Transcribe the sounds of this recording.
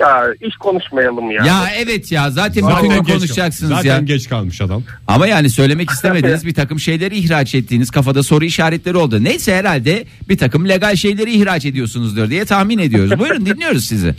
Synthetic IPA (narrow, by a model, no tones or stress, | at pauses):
jaiʃkʰonuʃmajalˠɯmjaːjaɛvɛt̪ʰjaːzaːt̪ʰɛnbiko̞nuʃd͡ʒaksɯnzaːjaːnɟɛt͡ʃkʰalˠmɯʃad̪am | a̰majaːnisø̞jlʲe̞mɛcist̪ʰeme̞d̪inizbiɾt̪ʰakɯmʃe̞jlʲe̞ɾiːçɾaːt͡ʃɛt̪ʰːiːniz̥kʰafad̪aso̞ɾuiʃaːɾɛt̪lʲe̞ɾio̞lˠd̪unejsɛheɾalʲd̪ɛ | biɾt̪ʰakɯmlʲe̞ɡalʲʃe̞jlʲe̞ɾiːçɾaːt͡ʃe̞d̪ijo̞sunuzd̪ɯɾd̪ijɛt̪ʰahmine̞d̪ijo̞ɾuzbujɾund̪inlːʲijo̞ɾuzsizɪ̰